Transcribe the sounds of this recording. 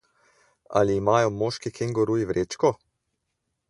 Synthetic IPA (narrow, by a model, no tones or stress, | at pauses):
a̰liːmaːjɔmoːʃkikiŋɡɔɾuːjiʋɾʔeːt͡ʃkɔ